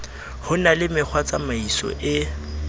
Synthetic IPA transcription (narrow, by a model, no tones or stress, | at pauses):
hʊnalɪmɪk͡xʰwat͡samaisɔ̰ʔɪ